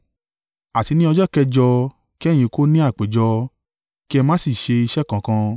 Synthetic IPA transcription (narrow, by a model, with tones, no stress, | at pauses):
a˨ti˧nĩ˦ɔ˧d͡ʒɔ˦kɛ˦d͡ʒɔ˧ | ki˦ɛ̃˦˨ĩ˧ko˦nĩ˦a˦˨k͡pe˨˦d͡ʒɔ˧ | ki˦ɛ˧mãː˦si˦˨ʃe˧i˧ʃɛ˦˨kã˨kã˧